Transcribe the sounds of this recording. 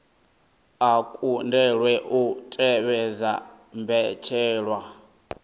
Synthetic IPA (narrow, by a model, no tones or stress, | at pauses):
akʼundɛɺwɛʔutʼɛβɛza | mbɛt͡ʃʰɛːɺwa